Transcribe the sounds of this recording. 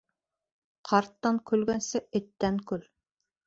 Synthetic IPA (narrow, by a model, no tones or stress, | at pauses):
qʰɑɾt̪ːɑŋkɵ̆lɡænsɘɘ̆t̪ːæŋkɵl